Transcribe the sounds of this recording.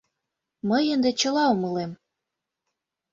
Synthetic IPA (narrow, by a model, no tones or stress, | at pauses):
məjənd̪et͡ɕə̆lɑumɤlem